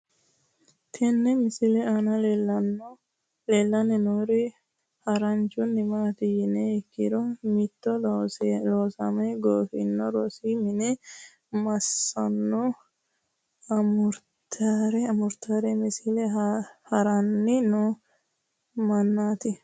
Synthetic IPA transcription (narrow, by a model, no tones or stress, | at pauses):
t̪ʰɛnːɛmɪsɪlɛanɐlelɐn | leːlːɐnɛnoɾɪ | hɐɾɐnt͡ʃʊnːɪmaːt̪ɪjɪneɪkːɪɾɔmɪt̪ːɔlːsloːsɐmɛɡoːfɪ̰nːɔɾɔsiːmɪnɛ | mɐsːɐnːɔ | ɐmʊɾtt̪aɾɛɐmʊɾt̪aːɾɛmɪsɪlɛhɐɾɐnːɪnʊ | mɐnːaːt̪ɪ